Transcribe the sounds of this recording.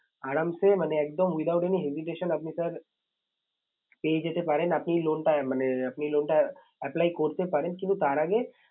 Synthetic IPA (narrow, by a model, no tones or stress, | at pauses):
aːɾamsemɐneeːk̚d̪əmwɪd̪aːʊʈeniɦeziʈ̬eːʃənɐpnisɐɾ | peːd͡ʒet̪epaːɾenɐpniloːnʈamɐneɐpniloːɳʈa | ɛplaːikoːɾt̪epaːɾẽnkint̪ut̪aːɾaɡe